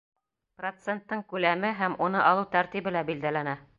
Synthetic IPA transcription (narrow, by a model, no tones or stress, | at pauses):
prot̪sent̪ːɤɴkʉlæmɘɦæmunɤʔɑlˠɤwt̪æɾt̪ibɘ̆læbild̪ælænæ